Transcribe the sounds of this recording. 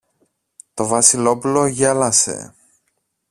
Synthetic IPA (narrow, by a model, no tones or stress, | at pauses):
t̪o̞vɐsilo̞pulo̞ʝɐlɐse̞̰